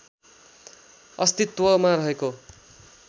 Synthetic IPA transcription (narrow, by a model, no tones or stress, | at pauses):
ʌst̪it̪ːwʌmaɾʌɦeko